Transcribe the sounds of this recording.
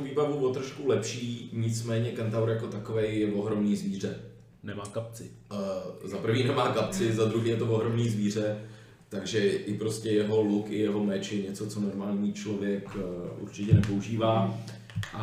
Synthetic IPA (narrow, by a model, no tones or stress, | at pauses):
uviːbavuvot̪ɾoʃkulɛpʃiːɲɪt͡smɛːɲɛkɛnt̪awɾjako̞t̪akovɛjjɛvo̞ɦɾo̞mniːzviːr̝ɛ | nɛmaːkap̚t͡sɪ | zapɾ̩viːnɛmaːkap̚t͡sɪzad̪ɾuɦiːjɛt̪ovoɦɾomniːzviːr̝ɛ | t̪aɡʒɛʔɪpɾo̞scɛjɛɦo̞lukɪjɛɦo̞mɛt͡ʃjɛɲɛt͡so̞t͡so̞no̞ɾmaːlɲiːt͡ʃlo̞vjɛkʔṵɾt͡ʃɪcɛnɛpo̞uʒiːvaː | ʔa